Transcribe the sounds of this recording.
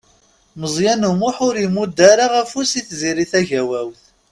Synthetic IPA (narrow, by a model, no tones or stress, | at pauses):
məzˤjænumʊħʊɾimud̪aɾaʁæfusiθziɾiθæʝæwæwθ